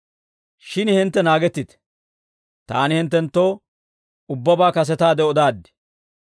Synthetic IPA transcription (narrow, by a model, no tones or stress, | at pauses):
ʃɪnhɛnt̪ːɛnaːɡɛt̪ːɪt̪ɛ̥ | t̪a̰ːnɪhɪnt̪ːɛnt̪ːoː | ʊbːɐbaːkɐs̬ɛt̪aːd̪ɛɔd̪aːd̪ːɛ̥